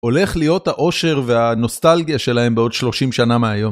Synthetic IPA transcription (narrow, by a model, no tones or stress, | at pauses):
o̞le̞χlijo̞thaʔo̞ʃe̞ʁveano̞st̪alɡijaʃe̞lahe̞mbeo̞dʃlo̞ʃimʃanameajo̞m